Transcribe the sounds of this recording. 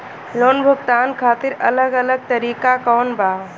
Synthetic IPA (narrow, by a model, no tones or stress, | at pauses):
loːnbʱʊɡt̪aːnkʰaːt̪ɪɾɐləɡɐləɡ̚t̪əɾiːkakɔːnbaː